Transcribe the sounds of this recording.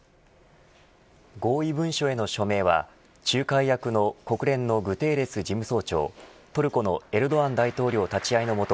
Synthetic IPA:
ɡo̞ːibɯ̟̃ɰ̃ɕo̞e̞no̞ɕo̞me̞ːβa̰ | t͡ɕɨːkaijakɯ̟no̞ko̞kɯ̟ɾẽ̞nːo̞ɡɯ̟t̪e̞ːɾe̞sɨd͡ʑimɯ̟so̞ːt͡ɕo̞̰ːt̪o̞ɾɯ̟ko̞no̞e̞ɾɯ̟d̪o̞βãnd̪ait̪o̞ːɾʲo̞ːt̪at͡ɕiaino̞mo̞t̪o

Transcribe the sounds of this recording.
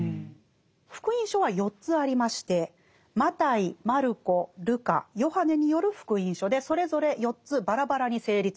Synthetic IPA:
ɸɯ̥kɯ̟ĩɰ̃ɕo̞βajo̞tt͡sɨaɾʲimaɕi̥t̪e̞ | mat̪aimaɾɯ̟ko̞ɾɯ̟ka̰jo̞hane̞ɲ̟ijo̞ɾɯ̟ɸɯ̥kɯ̟ĩɰ̃ɕo̞d̪e̞so̞ɾe̞zo̞ɾe̞jo̞tt͡sɨbaɾabaɾaɲ̟ise̞ːɾʲit͡sɨ̥

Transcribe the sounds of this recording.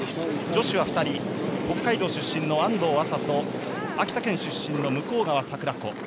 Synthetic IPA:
d͡ʑo̞ɕiβ̞aɸɯ̟̥t̪aɾʲiho̞kːaid̪o̞ːɕɨɕːĩnːo̞ãnd̪o̞ːasat̪o̞ | akʲi̥t̪akẽ̞ɰ̃ɕɨɕːĩnːo̞mɯ̟ko̞ːɡaβasakɯ̟ɾako̞

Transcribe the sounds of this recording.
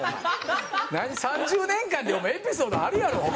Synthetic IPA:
naɲ̟isãɲd͡ʑɨːnẽ̞ŋkãnd̪eomepʲisoːd̪oaɾɯ̟jaɾo̞ː

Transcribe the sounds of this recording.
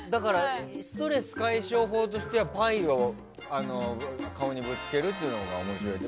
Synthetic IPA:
d̪akaɾasɨ̥t̪o̞ɾe̞sɨ̥kaiɕo̞ːɦo̞ːt̪o̞ɕi̥t̪e̞βapaio | ano̞kaoɲ̟ibɯ̟t͡si̥k̪e̞ɾɯ̟t̪̬ːeiɯ̟noɡa̰omo̞ɕiɾo̞i

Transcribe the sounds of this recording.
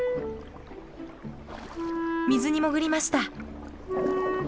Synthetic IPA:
mʲizɨɲ̟imo̞ɡɯ̟ɾʲimaɕi̥t̪a

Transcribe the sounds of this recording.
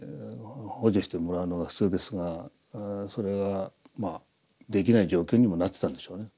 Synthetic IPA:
ho̞ʑiɕi̥t̪e̞mo̞ɾaɯ̟no̞ɡaɸɯ̟̥t͡sɨːd̪e̞sɨɡa | so̞ɾe̞ɡa | ma | d̪e̞k̬ʲinaid͡ʑo̞ːkʲo̞ːɲ̟imo̞nat̪ːet̪ãnd̪e̞ɕo̞ːne̞

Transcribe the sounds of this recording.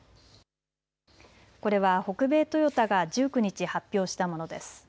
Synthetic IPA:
ko̞ɾe̞β̞aho̞kɯ̟be̞ːt̪o̞jo̞t̪aɡaʑɨːkɯ̟ɲ̟it͡ɕihapʲːo̞ːɕi̥t̪amo̞no̞d̪e̞̰sɨ̥

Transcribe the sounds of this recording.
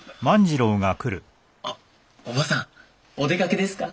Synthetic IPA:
mãɲ̟d͡ʑiɾõ̞ːŋakɯ̟ɾɯ̟ | a | obasã | od̪e̞kake̞d̪e̞sɨ̥ka

